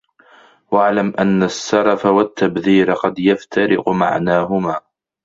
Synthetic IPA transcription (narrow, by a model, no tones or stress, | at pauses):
waʕlamʔanːasːɑɾˤɑfawat̪ːabðiːɾaqɑd̪jaft̪ʰaɾɪ̰qma̰ʕnaːɦʊmaː